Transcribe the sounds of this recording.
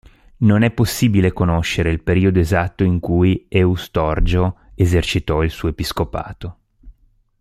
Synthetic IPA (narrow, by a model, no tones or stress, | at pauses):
nonɛpːosːiːbilekonoʃːeɾeilpeɾiːod̪oezat̪ːoiŋkujɛust̪ɔrd͡ʒo | ezert͡ʃit̪ɔilsuːoepiskopa̰ːt̪o